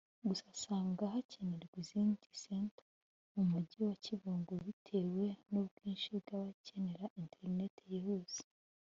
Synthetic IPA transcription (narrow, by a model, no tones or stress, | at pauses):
ɡusasaːŋɡaɦacʰe̞ne̞ɾɡwiziːndisenta | mumuɟiwaciβuːŋɡoβitʰe̞ːwe̞nub̚ɡ̥iːnʃibɡaːβace̞ne̞ɾaʔintʰe̞ɾne̞tʰejehuz̥i̥